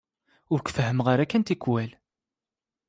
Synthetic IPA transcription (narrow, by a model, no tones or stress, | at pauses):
ʊɾkʷfəhəmʁaɾækːænt̪ikwæl